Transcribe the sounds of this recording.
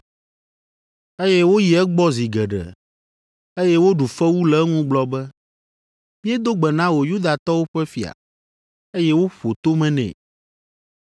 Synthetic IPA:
e˦jɛ˦wo˦ji˨ɛ˦ɡ͡bɔ˦zi˨ɡɛ˨ɖɛ̰˨ | e˦jɛ˦wo˦ɖu˨fɛ˦wu˦lɛ˦ŋũ˦ɡ͡blɔ˦bɛ˦ | mĩ˦e˦d̪o˦ɡ͡bɛ˨nã˦wo˨ju˦d̪a˨t̪ɔ˦wo˦ɸɛ˦fi˨a̰˨ | e˦jɛ˦wo˦ɸo˨t̪o˦mɛ̃˦nɛ̰̃˨

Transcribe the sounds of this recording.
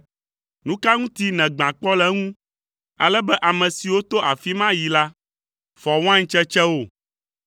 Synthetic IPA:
nũ˦ka˦ŋũ˦t̪i˦nɛ̃˨ɡ͡bã˨k͡pɔ˦lɛ˦ŋũ˦ | a̰˨lɛ˦bɛ˦ʔa˨mɛ̃˨si˨wo˦t̪o˦ʔa˨fi˦mã˦ji˨la˦ | fɔ˨w̃ã˦ɲ˦t͡ʃɛ˦t͡ʃɛ˦wo˦˨

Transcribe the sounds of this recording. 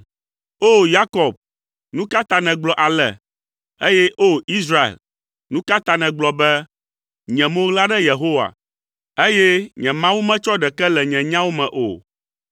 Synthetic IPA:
o˦ja˦kɔ˨b̚ | nũ˦ka˦t̪a˨nɛ̃˨ɡ͡blɔ˨ʔa˨lɛ̰˨ | e˦jɛ˦ʔo˦i˦sɾa˦ḛ˨l | nũ˦ka˦t̪a˨nɛ̃˨ɡ͡blɔ˨bɛ˦ | ɲɛ̃˨mõ˦ɣla˦ɖɛ˦je˨ɦo˦wa̰˨ | e˦jɛ˦ɲɛ̃˨mã˦wu˦mɛ̃˦t͡ʃɔ˦ɖɛ˨kɛ˦lɛ˨ɲɛ̃˨ɲã˦wo˦mɛ̃˨ʔo̰˨

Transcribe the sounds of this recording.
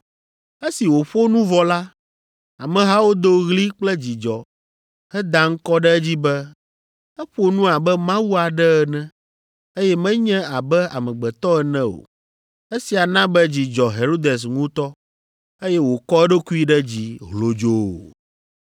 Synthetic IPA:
e˦si˨wo˨ɸo˦nũ˦vɔ˨la˦ | a˨mɛ̃˨ɦa˦wo˦d̪o˦ɣli˦k͡plɛ˦d͡ʑi˨d͡ʒɔ˨ | hɛ˦d̪a˦ŋ̩˦kɔ˦ɖɛ˦d͡ʑi˦bɛ˦ | ɛ˦ɸo˦nũ˦a˨bɛ˦mã˦wu˦a˨ɖɛ˦ɛ˨nɛ̃˦ | e˦jɛ˦mɛ̃˦ɲɛ̃˦a˨bɛ˦a˨mɛ̃˨ɡ͡bɛ˨t̪ɔ˦ɛ˨nɛ̃˦o̰˨ | e˦si˨a˨nã˦bɛ˦d͡ʑi˨d͡ʒɔ˨ɦe˨ɾo˦d̪e˨s̬ŋũ˦t̪ɔ˦ | e˦jɛ˦wo˨kɔ˦ɛ˦ɖo˦ku˦i˦ɖɛ˦d͡ʑi˨ɦlo˨d͡ʒo˦˨

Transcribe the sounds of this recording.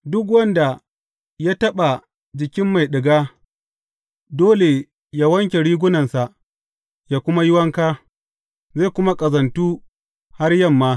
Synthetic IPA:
dʊ˦k̬wɐ˦nda˨ | ja˦tɐ˦ɓa˨ | d͡ʒɪ˨kʲɪ˦mːa˨jɗɪ˨ɡaː˦ | doː˦le˨ | jaː˦wɐ˦ŋkʲe˨ɽiː˦ɡʷʊ˦nɐ˨nsa˨ʔ | jaː˦kʷʊ˦ma˦jɪ˦wɐ˦ŋkaː˦ | za˦˨kʷʊ˦ma˦kʼɐ˨zɐ˨ntuː˦ | ha˦rjɐ˦˨mːaː˦

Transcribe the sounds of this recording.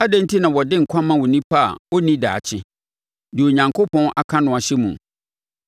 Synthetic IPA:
a˦dẽ˦n˦tʰi˦nã˨wɔ˨dɪ̃˦ŋ̩˨kʷʰã˦mã˦wo˨nĩ˦pʰa˦a̰˨wɔ˦nĩ˦da̰ː˨t͡ɕʰɪ˦ | dɪ˨o˨ɲã˨ŋkʰo˦pʰɔ̃˦nʔa̰˨kʰã˦nʊ̃˦˨a˨ɕɛ˦mṵ̃˨

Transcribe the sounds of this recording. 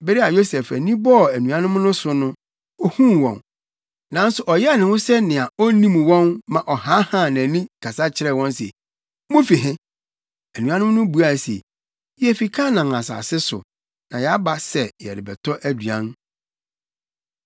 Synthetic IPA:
bɪ˦ɾɪ˦a˨jo˦sɛ˨fæ̰˨nĩ˦bɔ˦˨æ˨nũ˨a˦nʊ̃˦m˦nʊ̃˦sʊ˨nʊ̃˦ | ɔ˦hũ˦˨wɔ̰̃˨n | nã˨˦n̩˦sʊ˨ʔɔ˨jɛ˦˨nɪ̃˨hʊ̃˦sɛ˦nɪ̃˨a˨ɔ˦nĩ˦m˨wɔ̃˦nmã˨ʔɔ˨ha˦hã˦˨nã˨nĩ˦kʰa˨sa˦t͡ɕʰɪ˦ɾɛ˦˨wɔ̃˦nsḛ˨ | mʊ̃˦fi˨ɦɪ̃˦ | æ˨nũ˨ã˦nʊ̃˦m˦nʊ̃˦bu˨˦a˨sḛ˨ | jɛ˦fi˨kʰa˦nã˨ŋ˨a˨sa̰ː˨sɪ˦sʊ̰˨ | nã˨jɛ˨a˦ba˦sɛ˨jɛ̰˨ɾɪ˨bɛ̰˨tʰɔ˦ʔæ˦du˨ã̰˦n

